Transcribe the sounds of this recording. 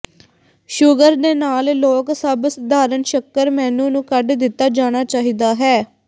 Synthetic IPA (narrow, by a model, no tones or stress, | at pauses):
ʃʊɡəɾd̪eːnaːlloːksəbsd̪ʱaːɾənʃəkːəɾmɛːnũːnũːkəɖd̪ɪt̪ːaːd͡ʒaːɽ̃aːt͡ʃaːɦiːd̪aːɦɛː